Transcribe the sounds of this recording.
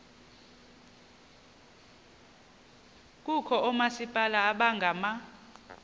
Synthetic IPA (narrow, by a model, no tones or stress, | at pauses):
k̬ʼukʰɔɔmasipʼalaːɓaŋɡʱama